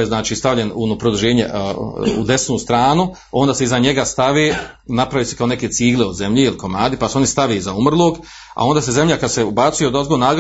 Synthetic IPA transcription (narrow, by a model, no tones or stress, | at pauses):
jeznaːt͡ʃiːst̪aʋʎe̞nunopɾod̪uʒeːɲeṵd̪e̞snuːst̪ɾaːnu | o̞nd̪aːse̞izaɲe̞ɡast̪aʋeː | napɾaʋiːsekao̞ne̞keːt̪siːɡleod̪ze̞mʎeiliko̞maːd̪ipaseo̞nist̪aʋeːizaumrlˠoːɡ | a̰o̞nd̪aːseze̞mʎakad̪seubat̪sujed̪ozɡonaːɡ